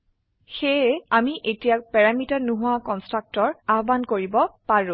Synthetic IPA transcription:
xeɛamiʔetijak̚pɛɹamitaɹnuɦʊakɔnstɹak̚tɔɹaɦɔbankoɹibɔpaɹũ

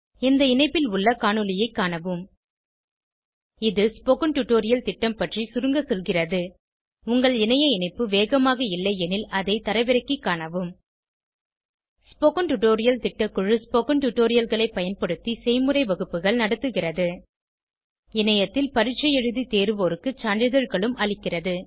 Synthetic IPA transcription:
ɛnd̪ɐɪnɐɪpːɪlʊɭːɐkaːɳɯlɪjɐɪkːaːɳɐʋɯm | ɪðɯspoːkɐɳʈʊʈːoːɾɪjɐlt̪ɪʈːɐmpɐʈrisʊɾɯŋɡɐsɔlɣɪrɐðɯ | ʊŋɡɐɭɪnɐjɐɪnɐɪpːɯʋeːɣɐmaːɣɐɪlːɐɪɛnɪlɐðɐɪt̪ɐɾɐɪʋɪɾɐkːikːaːɳɐʋɯm | spoːkɐnʈʊʈoːɾɪjɐlt̪ɪʈːɐkʊɻɯspoːkɐɳʈʊʈːoːɾɪjɐlɣɐɭɐɪpːɐjɐnpɐɽɯt̪ːisɛɪmɯrɐɪʋɐɣɯpːɯɣɐɭnɐɽɐt̪ːɯɣɪrɐðɯ | ɪnɐjɐt̪ːɪlpɐɾɪʈt͡ʃːɐjɛɻɯðit̪eːɾɯʋoːɾɯkːɯt͡ʃaːɳɖɪðɐɾɣɐɭɯmʔɐɭɪkːɪrɐðɯ

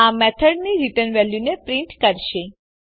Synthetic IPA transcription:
amɛt̪ʰəɖniɾiʈənʋɛljunepɾĩɳʈkəɾʃe

